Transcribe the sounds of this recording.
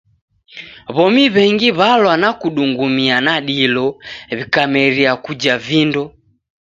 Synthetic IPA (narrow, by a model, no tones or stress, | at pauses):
βɔmiβɛŋɡiβalwanakuɗuŋɡumianaɗilɔβikamɛɾiakud͡ʒavindɔ